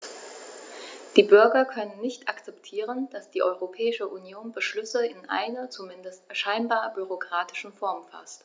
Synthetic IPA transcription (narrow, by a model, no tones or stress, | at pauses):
d̥iːbʏɐɡɐkʰœnənːɪçtʔakt͡sɛptʰiːʁ̞ənd̥asd̥iːʔɔʏʁopʰɛːɪʃəʔunjoːnbəʃlʏsəɪnʔa̰ɪnɐt͡sumɪndəstʃaɪnbaːɐbyʁ̞okʁ̥aːtɪ̥ʃn̩fɔɐmfa̰st